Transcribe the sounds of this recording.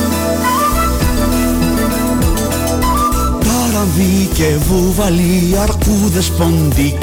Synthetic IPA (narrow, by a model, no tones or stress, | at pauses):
paɾaðike | vovali | aɾkuðespond̪i